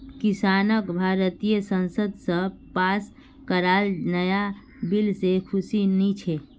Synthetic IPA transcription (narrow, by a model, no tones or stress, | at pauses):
kisanəkbʱaɾət̪ijəsənsəd̪ʱsə̃pas | kəɾalnəja | bilsekʰusinit͡ʃʰe